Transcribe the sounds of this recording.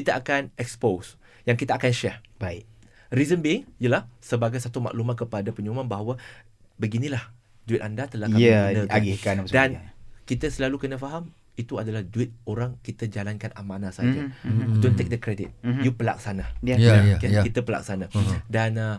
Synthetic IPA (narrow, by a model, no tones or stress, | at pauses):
kit̪əakanɛkspos | jaŋkit̪aʔakanʃɛbai | rizəmbiŋijəlahsəbaɡajsat̪uma̰ʔlumat̪̚kəpadapəɲumanbaɦawa | bəɡinĩlah | duɪt̪̚andat̪əlahkaminəaɡikadankit̪əsəlalukənəfaɦam | it̪uadalahduɪt̪̚oɾaŋkit̪əd͡ʒalankanamanãsad͡ʒadont̪ek̚dəkɾedit̪̚jupəla̰k̚sanaakakit̪əpəla̰k̚sanadanə